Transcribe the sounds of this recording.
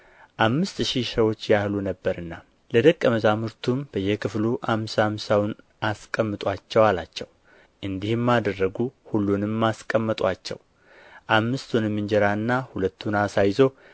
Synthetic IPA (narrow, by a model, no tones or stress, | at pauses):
ʔamːɨst̪ʃihsəwo̞t͡ʃːjahlunəbːəɾɨnːa | ləd̪əkʼːəməzamɨɾt̪ʰumb̥əjːekʰɨfluʔamsamsawn | ʔaskʼəmːɨt̪ʼwat͡ʃːɛwalat͡ʃːɛw | ʔɨnd̪ihɨmːad̪ərːəɡuhulːunɨmːaskʼəmːət̪ʼwat͡ʃːɛ̰w | ʔamːɨst̪ʰunmːɨnd͡ʒɛɾaɨnːahulət̪ʰːunasajzo̞